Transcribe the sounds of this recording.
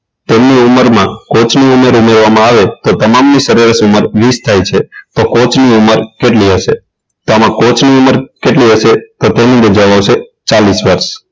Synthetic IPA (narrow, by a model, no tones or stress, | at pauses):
t̪emniuməɾmãkot͡ʃʰniumeɾumeɾʋamãaʋet̪ot̪əmamnisəɾeɾəsuməɾʋist̪ʰajt͡ʃʰet̪okot͡ʃniuməɾkeʈliɦəʃe | t̪oamãkot͡ʃʰniuməɾkeʈliɦəʃet̪ot̪enĩbʱəd͡ʒaʋoʃet͡ʃalisʋəɾʃ